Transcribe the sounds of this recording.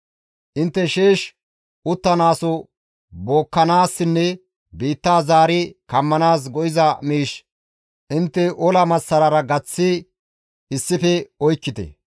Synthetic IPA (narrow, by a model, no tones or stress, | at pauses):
ʔɪnt̪ːɛʃeːʃ | ʔʊt̪ːɐnaːsɔ | boːkːɐnaːsːɪnːɛ | biːt̪ːaːzaːɾɪkɐmːɐnaːs̬ɡɔʔɪzɐmiːʃ | ʔɪnt̪ːɛʔɔlɐmɐsːɐɾɐɾɐɡɐt͡sːɪ | ɪsːɪfɛɔjkːɪt̪ɛ̰